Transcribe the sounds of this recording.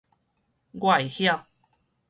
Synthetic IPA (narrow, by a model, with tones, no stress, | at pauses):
ɡwa˨jhja˥˧